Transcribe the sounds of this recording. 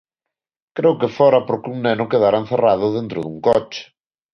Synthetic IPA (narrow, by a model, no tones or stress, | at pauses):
kɾewkɪfɔɾɐpoɾkuŋnenʊkeðaɾan̟θeraðʊðent̪ɾʊðuŋkɔt͡ʃɪ̥